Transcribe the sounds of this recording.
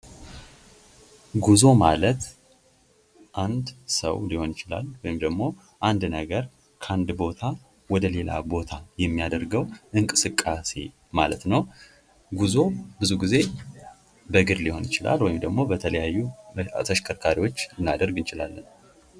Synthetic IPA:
ɡuzo̞malət̪ | ʔand̪sə̰wliho̞njɪt͡ʃɪla̰lwɔjɪmd̪əɡmo̞ | ʔand̪nəɡəɾ | kʰəand̪bo̞t̪ʰa | wɔd̪əle̞la̰bo̞t̪ʰajɛmːijad̪əɾɡəwʔɨŋkʼɨsɨkʼːase̞̰ | malət̪nəw | ɡuzo̞bɨzuɡize̞ | bəɡɨɾliho̞njɪt͡ʃɪla̰lwɔjɪmd̪əɡmo̞bət̪ʰələjajːut̪ʰəʃkʰəɾkʰaɾiwo̞t͡ʃːɨnːad̪əɾɡɨnt͡ʃɪla̰lːən

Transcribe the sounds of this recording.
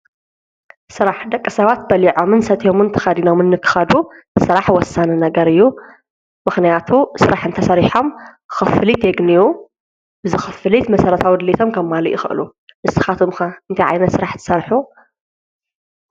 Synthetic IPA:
sɨɾaħd̪ɐkʼːɐsɐβat̪̚bɐliʕo̞mɨnsɐt̪ʰjo̞mɨnt̪ʰɨ̥xɐd̪ino̞mɨnːɨkʰːɨ̥xɐd̪u | sɨɾaħwɔsːanɨnɐɡɐɾɨjːu | mɨxnijat̪ʰusɨɾaħɨnt̪ʰɐsɐɾiħo̞mxɨfɨlit̪ʰjeɡniju | bɨzɨxɨfɨlit̪mɐsɐɾɐt̪ʰawid̪ɨlit̪ʰo̞mkʰɐmːalɨʔixɨ̰ʔɨlu | mɨsɨ̥xat̪ʰomxɐɨnt̪ʰajʕa̰jnɐt̪sɨɾaħt̪ʰɨ̥sɐɾħu

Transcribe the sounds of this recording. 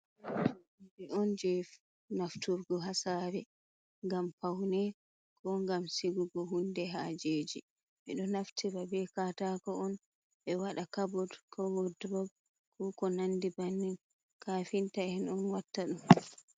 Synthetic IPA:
bɛʔɔnd͡ʒɛf | naftuɾɡɔɦasaːɾɛ | ŋɡampawnɛ | kɔŋɡamsiɡuɡɔɦundɛɦaːd͡ʒeːd͡ʒi | mɛ̰ɗɔnaftʰiɾabɛkataːkɔɔn | ɓɛwaɗakabɔdkʰɔwɔdɾɔb | kʰɔkɔnandibanːin | kaːfintaɛnɔnwatːaɗum

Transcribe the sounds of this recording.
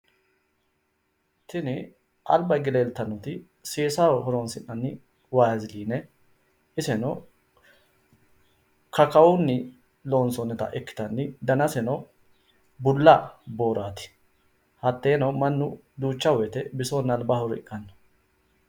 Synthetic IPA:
t̪ɪnɪ | ʔɐ̰lbɐjɡɪleːlt̪ɐnːɔt̪ɪ | seːsawɦɔɾoːnsɪnːɐnːɪ | waːzɪliːnɛ | ɪsɛnɔ | kɐkɐwʊnːɪ | lo̞ːnsɔnːɛt̪ɐ̰ʔɛkːɪ̥t̪ɐnːɪd̪ɐnɐsɛnɔ | bʊlːabo̞ːɾaːt̪ɪ̥ | hɐt̪ːeːnɐmɐnːʊ | d̪uːt͡ʃːɐwɔɛt̪ɛbɪsonːɐlbɐhɔɾɪ̰kʼːɐnːɔ̥

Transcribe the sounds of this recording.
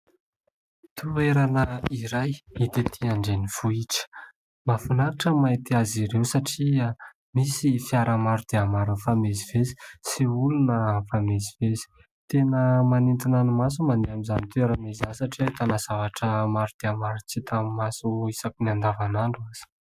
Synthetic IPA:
t̪ueɾanəiɾajit̪et̪ʰiaɳɖ͡ʐenifuiʈ͡ʂə̥ | mafanaɾaʈ͡ʂəmait̪iaziɾewsaʈ͡ʂia | misifiaɾəmaɾud̪̥eamaɾunfamezivezi̥siulunəfamezivezi̥ | t̪enəmanint̪inanumas̬umand̪eamizanit̪uweɾamezasaʈ͡ʂiat̪anaz̥avaʈ͡ʂəmaɾud̪̥eamaɾut͡sit̪ammasuisakiniand̪avanaɳɖ͡ʐuaz̥i̥

